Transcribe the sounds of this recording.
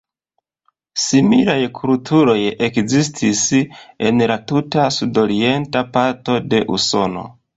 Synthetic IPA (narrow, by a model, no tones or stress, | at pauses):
similajkʰultʰuɾo̞je̞kzistʰise̞nlatutasudo̞ɾie̞ntapaɾto̞de̞ʔuso̞no̞̰